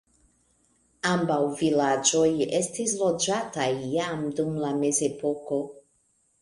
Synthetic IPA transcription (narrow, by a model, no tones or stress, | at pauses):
ambawvilad͡ʒo̞jestis̬lo̞d͡ʒatajːamdumlame̞ze̞po̞ko̞